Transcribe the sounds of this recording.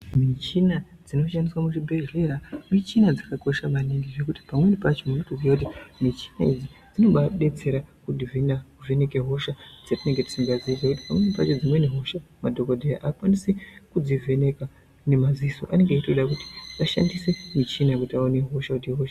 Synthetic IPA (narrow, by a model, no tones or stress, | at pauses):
mit͡ʃinad͡zino̞ʃandiswamuʐibʱeʒreramit͡ʃinad͡zakako̞ʃaʋaneŋɡiʐe̞kuti̥pamwe̞nipat͡ʃo̞munotoziakut̬imit͡ʃi̥naid͡zid͡zino̞ɓaɓe̞t͡se̞ɾakudʱivinakuve̞ne̞ke̞ɦo̞ʃad͡zatine̞ŋɡeti̥siŋɡaziid͡zakuti̥pamwe̞nipat͡ʃod͡zimwe̞neɦo̞ʃamadʱo̞kodʱejaʔakwanisikud͡zive̞neka | ne̞maziso̰ʔane̞ŋɡeaitoɗakuti̥aʃa̰ndisemit͡ʃinakutiaoneɦo̞ʃakutiɦo̞ʃa